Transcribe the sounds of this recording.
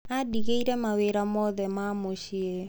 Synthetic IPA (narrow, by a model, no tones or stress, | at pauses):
aɗiɣeiɾɛmaweɾamɔðɛmamoʃie